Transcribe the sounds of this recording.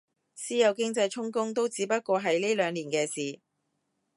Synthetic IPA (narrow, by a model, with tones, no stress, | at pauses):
siː˥jɐ˨˧wkɪ˥ŋt͡sɐ˧jt͡ʃʰʊ˥ŋkʊ˥ŋt̪̬o˥wt͡siː˨˥pɐ˥t̚kʷɔː˧ɦɐ˨jliː˥lœː˨˧ŋliː˨˩nkɛː˧siː˨